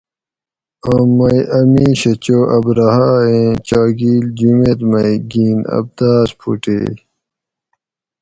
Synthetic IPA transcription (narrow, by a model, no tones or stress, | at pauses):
ãmːɐjʔɐmiɕɐt͡ɕoːʔɐbɾɐɦaːẽːt͡ɕaːɡiːld͡ʑumet̪mɐjɡiːnɐ̰b̚d̪aːspʰṵʈḛː